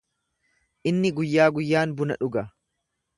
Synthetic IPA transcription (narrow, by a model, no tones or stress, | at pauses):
ʔɪnːɪɡʊjːaːɡʊjːaːnbʊnɐ̰ᶑʊɡɐ